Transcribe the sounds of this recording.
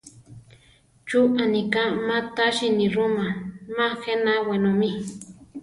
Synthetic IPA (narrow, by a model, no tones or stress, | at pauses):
t͡ʃuʔanikamãt̪aʃinĩɾumamãxenawenomi